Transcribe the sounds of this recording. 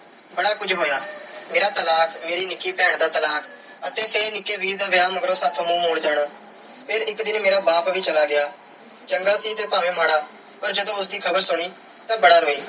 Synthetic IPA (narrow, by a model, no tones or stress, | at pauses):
bəɽaːkʊd͡ʒɦoːjaːmeːɾaːt̪əlaːkʰmeːɾiːnɪkːiːpɛːɳd̪aːt̪əlaːkʰ | ət̪eːpʰeɾnɪkːeːbiːzd̪aːʋɪjaːməɡɾõːsaːt̪ʰõːmũːmoːɽd̪ɛːɳaː | pʰeːɾɪkd̪ɪnmeːɾaːbaːpʋiːt͡ʃəlaːɡɪjaː | d͡ʒəŋɡaːsiːt̪eːpaːʋẽːmaːɽaː | pəɾd͡ʒəd̪õːʊs̬d̪iːkʰəbəɾsʊɽ̃iː | t̪ãːbəɽaːɾoːiː